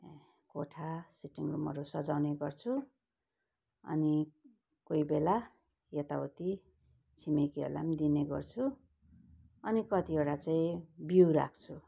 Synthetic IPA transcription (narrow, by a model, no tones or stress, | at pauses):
koʈʰasiʈiŋrumʌ̰ɾusʌd͡zawneɡʌrt͡sʰu | ʌ̰ni | kojbela | jʌt̪aot̪i | t͡sʰimekiḛla̰md̪ineɡʌ̰rt͡sʰu | ʌnikʌt̪ieɽat͡saĩbiwɾa̰kʰt͡sʰu